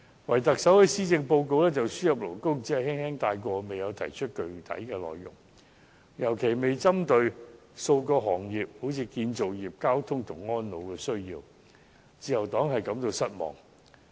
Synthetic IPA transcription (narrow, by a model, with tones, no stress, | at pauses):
wɐ˨˩jt̪ɐ˨k̚sɐ˨˥whɐ˨˧siː˥t͡sɪ˧ŋpo˧wko˧wlɛː˥t͡sɐ˨wsyː˥jɐ˨p̚lo˨˩wkʊ˥ŋt͡siː˨˥hɐ˨˧whɪ˥ŋhɛː˥ŋt̪aː˧jkʷɔː˧me˨jɐ˨˧wt̪ʰɐ̰˨˩jt͡ʃʰɵ˥t̚kɵ˨ɥt̪ʰɐ̰˨˥jkɛː˧lɔ̰ː˨jːʊ̰˨˩ŋ | jɐ˨˩wkʰe˨˩jme˨jt͡sɐ˥mt̪ɵ˧ɥ | so˧wkɔː˧ɦɔː˨˩ŋjiː˨p̚ho˨˥wt͡sʰiː˧kiː˧nt͡so˨wjiː˨˩p̚kaː˥wt̪ʰʊ˥ŋt̪ʰʊ˨˩ŋɔː˥nlo˨˧wkɛː˧sɵ˥ɥjiː˧w | t͡siː˨˧jɐ˨˩wt̪ɔː˨˥ŋɦɐ˨jkɐ˨˧˥mt̪o˧wsɐ˥t̚mɔ̰ː˨˩ŋ